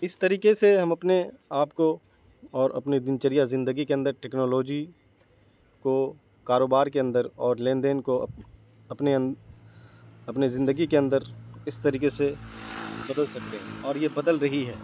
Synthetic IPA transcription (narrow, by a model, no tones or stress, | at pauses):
ɪst̪ɐɾiːkeseɦɐ̃mɐpneaːpko | ɔːɾɐ̰pnid̪ɪnt͡ʃəɾijazɪ̃nd̪əɡikeɐ̃nd̪əɾʈɛːknoːloːd͡ʒi | ko | kaːɾoːbaːɾkeɐ̃nd̪əɾɔːɾleːnd̪eːnko | ɐpnẽ | ɐpnezɪ̃nd̪əɡikeɐ̃nd̪əɾɪst̪ɐɾiːkese | bɐd̪əlsɐk̚t̪eɦɛ̰̃ɔːɾjebɐd̪əlɾɐɦiɦɛː